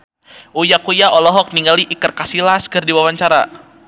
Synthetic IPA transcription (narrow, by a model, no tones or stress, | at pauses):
ʔujakujaʔɔlɔɦɔk̚niŋɡaliʔikərkasilaskɨrdiwawaɲt͡ʃaɾa̰